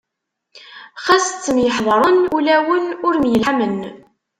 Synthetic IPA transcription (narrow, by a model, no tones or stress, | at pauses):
χæst͡sːənjəħðˤɾˤənulæwənʊɾmjəlħamən